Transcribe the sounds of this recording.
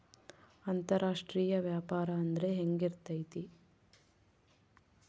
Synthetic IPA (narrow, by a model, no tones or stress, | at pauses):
ɐnt̪ɐɾaːʂʈɾiːjɐʋjaːpaːɾɐːnd̪ɐɾe̞ɦeŋɡiɾt̪ɐjt̪i